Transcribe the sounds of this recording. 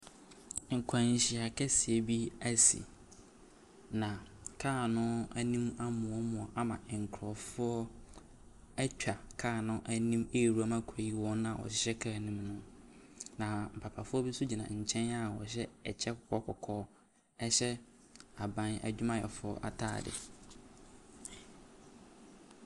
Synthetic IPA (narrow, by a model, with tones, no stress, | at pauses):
ŋ̩˨kʰa˨ɲ˨ɕi˨a˨kʰɛ˦si˨e˨bi˦æ˦sḭ˨ | nã˨kʰaː˦˨nʊ̃˦æ˦nĩ˦ma˦mʊ̃˨ɔ˦mʊ̃˨ɔ˨ʔa˦mã̰˨ŋ̩˨kʰɾɔ˨fʊ˦ɔ˦ | æ˦t͡ɕᶣa˨kʰaː˦˨nʊ̃˦ʔæ˦nĩ˦meː˦˨ɾu˦a˦mã˦kʰɔ˨ji˦wɔ̃˦n˦a˨wɔ̰˨ɕɪ˦ɕɛ˦kʰa˦˨nĩ˦mnʊ̃˦ | nã˨m̩˨pʰa˨pʰa˨fʊ˦ɔ˦bi˦su˦d͡ʑi˨nã̰˨ɲ̩˨t͡ɕʰɛ̃˦na˦˨wɔ̰˨ɕ̬ɛ˦ɛ˨t͡ɕʰɛ˦kʰɔ˨kʰɔ˦kʰɔ˨kʰɔː˦ | ɛ˦ɕɛ˦ | a˨bã˦næ̰˨d͡ʑᶣu˦mã˦jɛ̰˨fʊ˦ɔ̰˦ʔa˨tʰa̰ː˦˨dɪ̰˨